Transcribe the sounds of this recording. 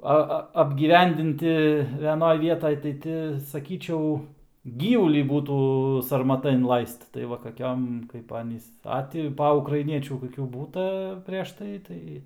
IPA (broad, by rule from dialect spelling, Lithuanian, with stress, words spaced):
ˈɐ ˈɐ ɐbʲɡʲiːˈʋʲɛnʲdʲɪnʲtʲɪ ʋʲɛˈnoːj ˈʋʲiɛtɐj tɐɪ ˈtʲɪ sɐˈkʲiːt͡ʃʲɛʊ ˈɡʲiːʋʊlʲiː ˈbuːtuː sɐrmɐˈtɐ ɪnˈlˠɐɪst tɐɪ ˈʋɐ kɐˈkʲoːm kɐɪp ˈɑːnʲiːs ˈɐ tʲɪ ˈpɐ ʊkrɐɪˈnʲiɛt͡ʃʲuː koːˈkʲuː ˈbuːtɐ pʲrʲɛʃ ˈtɐɪ ˈtɐɪ